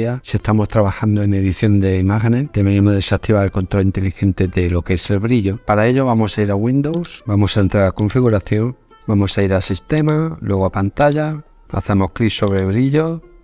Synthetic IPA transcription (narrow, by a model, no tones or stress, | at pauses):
asie̞hst̪amo̞st̪ɾaβaxand̪oe̞ŋe̞ðiθjo̞nd̪e̞imaxene̞t̪eβenemoðesat̪iβaɾelko̞nt̪ɾo̞lint̪e̞lixẽ̞nt̪e̞ðe̞lo̞keese̞lβɾiʎo̞paɾae̞ʎo̞βamo̞saiɾaɣwĩnd̪owsbamo̞saent̪ɾaɾako̞ɱfiɣuɾaθjo̞ŋ | bamo̞saiɾasist̪e̞malwʔe̞ɣoapant̪aʎa | a̰θe̞mo̞hkliso̞βɾeβɾiʎo̞